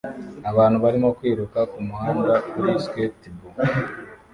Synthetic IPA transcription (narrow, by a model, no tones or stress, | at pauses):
aβaːn̥huβaɾimo̞kwiːɾukakumuhaːŋdakuɾiskwetibu